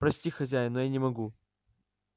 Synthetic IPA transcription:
pɾɐsʲtʲixɐzʲæjɪnojanʲɪmɐɡu

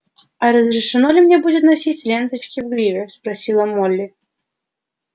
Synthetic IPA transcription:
ɐɾəzɾʲɪʂɨnolʲɪmnʲebudʲɪt̪nɐsʲitʲlʲent̪ət͡ɕkʲɪvɡɾʲivʲɪspɾɐsʲilˠəmolʲːɪ

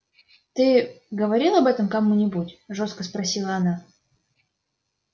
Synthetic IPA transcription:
t̪ɨɡəvɐɾʲilˠɐbɛt̪əmkɐmunʲɪbutʲʐo̞st̪̚kəspɾɐsʲilˠəɐna

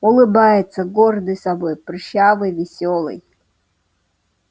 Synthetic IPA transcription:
ulˠɨbajɪt̪səɡɔrd̪ɨjsabojprɕavɨjvʲɪsʲolˠɨ̰j

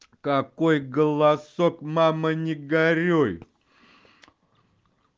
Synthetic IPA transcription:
kakojɡəlˠasokmamənʲɪɡaɾʲoj

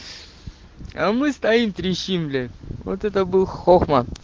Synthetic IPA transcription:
amɨst̪ɐimt̪ɾʲiɕimlʲɪvo̰t̪ɛt̪əbɨlˠxoxmɐ

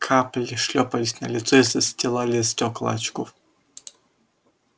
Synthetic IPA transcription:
kʰaplʲɪʂlʲɔpɐlʲɪsʲnɐ̰lʲɪt̪sɔisɐsʲtʲɪlˠalʲɪstʲoklˠa̰t͡ɕkof

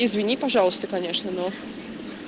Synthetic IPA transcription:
ezvʲiɲʲipɔʐawst̪ɛkɔɲʲɛʂnʲɛnɔ

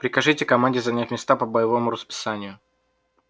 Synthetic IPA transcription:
pɾʲɪkɐʐɨtʲɪkɐmanʲdʲɪzɐnʲatʲmʲɪst̪apəbəjɪvomʊɾəspʲɪ̥sanʲɪjʊ

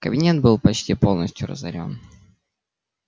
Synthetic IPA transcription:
kəbʲɪnʲe̞t̪̚bɨlˠpɐt͡ɕtʲipo̞lˠnəsʲtʲjʊɾə̰zɐ̰ɾʲo̞n

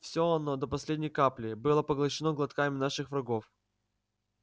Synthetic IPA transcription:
fsʲoɐnod̪əpɐsʲlʲedʲnʲɪjkaplʲɪbɨlˠəpəɡlˠɐɕɪnoɡlˠɐt̪kamʲɪnaʂɨxvɾɐɡo̞f

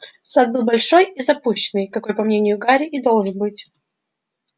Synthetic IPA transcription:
sad̪̚bɨlˠbɐlʲʂo̞jizɐpuɕːɪnɨjkɐko̞jpɐmnʲenʲɪjʊɡaɾʲɪʔid̪o̞lˠʐɨnbɨtʲ

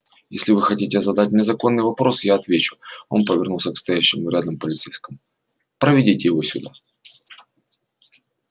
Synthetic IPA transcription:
jesʲlʲɪvɨxɐtʲitʲɪzɐd̪at̚ʲnʲɪzɐko̞nːɨjvɐpɾo̞sjaɐt̪vʲet͡ɕʊ̥o̞̰npəvʲɪrnulˠsʲəkst̪ɐjæɕːɪmʊɾʲad̪əmpəlʲɪt̪sejskəmʊ | pɾəvʲɪdʲitʲɪjɪvo̞sʲʊd̪a̰

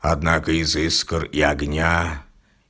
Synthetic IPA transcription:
ad̪nakəizɨskəriaɡnʲa

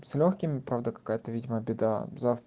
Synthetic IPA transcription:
sʲlʲoxkʲɪmʲɪpɾavd̪əkɐ̥kajət̪əvʲidʲɪməbʲɪd̪a̰zaf

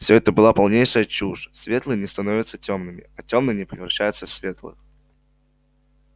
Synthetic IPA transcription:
fsʲoɛt̪əbɨlˠapɐlˠnʲejʂəjət͡ɕuʐsvʲe̞t̪lˠɨnʲɪst̪ɐnovʲɪt̪sətʲo̞mnɨmʲɪ̰ɐtʲomnɨnʲɪpɾʲɪvɾɐɕːæjʊt̪səfsvʲe̞t̪lˠɨ̰x

